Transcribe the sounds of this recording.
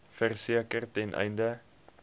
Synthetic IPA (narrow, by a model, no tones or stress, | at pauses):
fərsiəkərtɛnʔɛ̰jndə